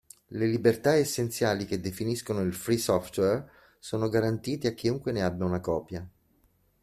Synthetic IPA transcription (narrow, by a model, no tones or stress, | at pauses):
lelibert̪aesːent̪sjaːliked̪ːefiniskonoilfɾisɔft̪wɛr | soːnoɡaɾant̪iːt̪eak̟ːiuŋkweneabːjaunakɔːpja